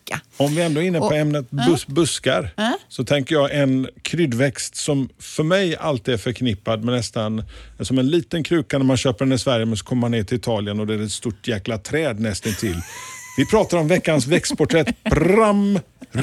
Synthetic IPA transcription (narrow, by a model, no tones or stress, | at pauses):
ɔmvɪɛnd̪oːɪnːəpʰɔɛmnət̪̚bbɵskaɾsɔt̪ʰɛŋkəjɑːʔɛnkʰɾʏd̪vɛkst̪sɔmfœɾmɛja̰lt̪ɪːæɾfœɾkʰnɪpːad̪mɛnɛst̪ansɔmɛnliːt̪ənkʰɾʉ̟ːkanæɾmanɕøːpəɾɛnɪsvæɾjəmɛsɔ̥kʰɔmːəɾmhanːeːʈɪlɪt̪ʰɑːlɪənɔd̪ɛæɾɛt̪st̪uʈjæːklat̪ʰɾɛːd̪nɛst̪ənt̪ʰɪlːvɪpʰɾɑːt̪aɾɔmvɛkːansvɛkst̪̚pʰʊʈʰɾɛt̪ɾam